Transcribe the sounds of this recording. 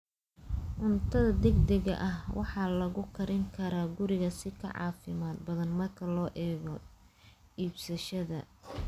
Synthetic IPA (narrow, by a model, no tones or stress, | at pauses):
ʕʊnt̪ʰɐðɐd̪ɛɡd̪ɛɣɐ̰ʔɐhwʔɑħɑːlɐɣʊkʰɐɾɪŋkʰɐɾaːɡʊɾɪɣɐsɪkʰɐ̰ʕɑ̰ːfɪmaːd̪̚bɐðɐnmɐrkʰɐlɔːʔɛːɣɔ | iːbsɐʃɐðɐ̰